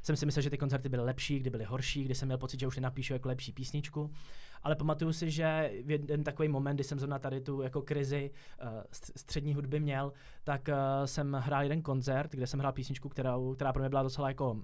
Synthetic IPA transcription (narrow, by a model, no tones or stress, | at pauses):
sɛmsɪmɪsɛlʒɛt̪ɪkonzɛɾt̪ɪbɪlɪlɛpʃiːɡ̚dɪbɪlɪɦo̞ɾʃiːɡdɪsɛmɲɛlpo̞t͡sɪt̪ʒɛuʃnɛnapiːʃujakolɛpʃiːpiːsɲɪt͡ʃkuʔalɛpamat̪ujusɪʒɛjɛɛnt̪akovejmo̞mɛndɪsɛmzɾonat̪adɪt̪ujako̞kɾɪzɪsst̪r̝̥ɛdɲiːɦudbɪmɲɛl | t̪aksɛmɦɾaːljɛdɛnko̞nzɛɾt̪ɡdɛsɛmɦɾaːlpiːsɲɪt͡ʃkukt̪ɛɾowkt̪ɛɾaːpɾomɲɛbɪlado̞t͡sɛlajako̞